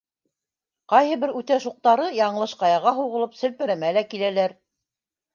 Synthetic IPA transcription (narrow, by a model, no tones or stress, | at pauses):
qɑjhɤbɘɾʉt̪æʃuq̚t̪ɑɾɤjɑɴɤ̆lˠɤʃqɑjɑʁɑɦuʁɤ̆lˠɤpsɘ̆lpɘ̆ɾæmælækilælæɾ